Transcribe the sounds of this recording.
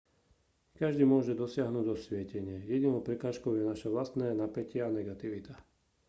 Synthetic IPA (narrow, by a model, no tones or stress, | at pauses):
kaʒd̪iːmʊɔʒɛd̪ɔsɪaɦnuːɟɔsʋɪɛcɛɲɪɛjɛɟinɔʊpɾɛkaːʃkɔʊjɛnaʃaʋlast̪nɛːnapɛcɪɛanɛɡat̪iʋit̪a